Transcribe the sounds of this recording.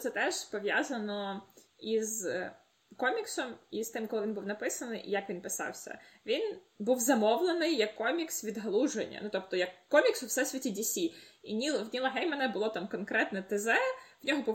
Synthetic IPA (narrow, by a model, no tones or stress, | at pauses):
t̪sɛt̪ɛʒ̥pɔʋʲjazɐnɔiz | kɔmʲiksɔmist̪ɪmkɔlˠɪʋʲinbuwnɐpɪsɐnɪjjɐkʋʲinpɪsɑ̰wsʲɐ̰ʋʲin | buwzɐmɔʋlˠenɪjːɐkːɔmʲiksʋʲid̪ɦɐlˠuʒḛnʲːɐ̰nut̪ɔp̚t̪ɔjɐkːɔmʲiksʊwsɛsʲʋʲitʲidʲisʲiḭnʲilˠwnʲilˠɐɦɛjmɛnɛbʊlˠɔt̪ɑmkɔnkɾɛt̪nɛt̪ezɛwnʲɔɦɔbuw